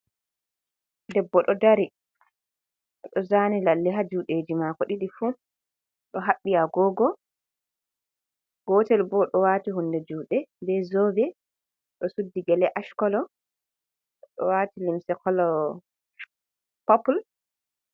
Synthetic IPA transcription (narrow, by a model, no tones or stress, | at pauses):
dɛbːɔɗɔdaɾi | ɗɔzanilalːiɦad͡ʒuɗeːd͡ʒimakɔɗiɗifu | ɗɔɦaɓːiaɡɔːɡɔ | ɡ̥ɔːtɛlbɔɗɔwaːtihundɛd͡ʒuːɗɛbɛzɔvɛ | ɗɔsudːiɡɛlɛʔaʃkɔlɔ | ɗɔ̰watilimsɛkɔlɔ | papul